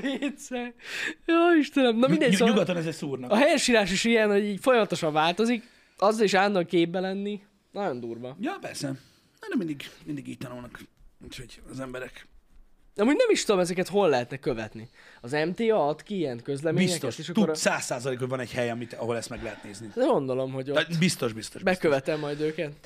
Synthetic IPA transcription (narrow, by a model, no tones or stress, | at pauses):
pet̪sɛjoːiʃt̪ɛnɛmnɒmind̪ɛɟɲuɡɒt̪ːonɛzɛsuːrnɒkɒɦɛjɛʃiːɾaːʃiʃijɛnho̞ɟiːɟfo̞jɒmɒt̪o̞ʃɒɱvaːlt̪o̞zik | ɒzːɒleʃaːnd̪ɒŋkeːbbɛlɛnːi | nɒɟo̞nd̪uːrvɒjɒpɛrsɛ | nɛnɛmind̪iɡmind̪iɡiːct̪ɒnuːlnɒkuːcho̞ɟɒzɛmbɛɾɛk | ɒmuːɟnɛmiʃt̪ud̪o̞mɛzɛkɛt̪ho̞lːɛɦɛt̪nɛkːøvɛt̪ni | ɒzɛmt̪eːɒɒt̪kiijɛnkø̞zlɛmeiɲsɛk̪t̪ɛtʃeːʃɒkt̪uoɾsaːsːaːzɒleːkho̞ɟvɒnɛɟhɛjɒmit̪ɒɦo̞lɛst̪mɛɡlɛɦɛt̪neːznid̪ɛɡo̞nd̪o̞lo̞mɦo̞ɟobist̪o̞ʒbist̪oʒbɛkøvɛt̪ɛmːɒjd̪øːkɛt̪